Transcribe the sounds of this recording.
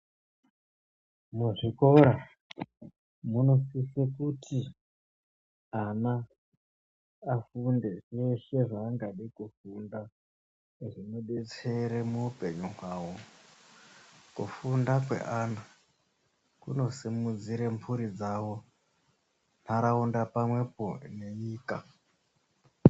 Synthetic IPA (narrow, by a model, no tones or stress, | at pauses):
muʐiko̞ɾa | muno̞sisekutʰi | ana | funde̞ʐeʃe̞ʐaːŋɡaɗikufunda | ʐino̞ɓe̞t͡se̞ɾemuupe̞ɲuɦwaːwo̞ | kṵfundakwe̞̰ʔaːna | kṵno̞simud͡ziɾempʰuɾid͡zawo̞ | n̥̤aɾaundapamwe̞pone̞ɲiːka